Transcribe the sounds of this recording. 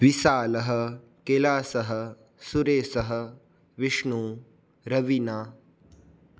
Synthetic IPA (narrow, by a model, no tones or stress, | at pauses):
ʋisaːlɐɦɐ̆ | kelaːsɐɦɐ̆ | suɾeːsɐɦə̆ | ʋiʂɳuː | ɾɐʋinaː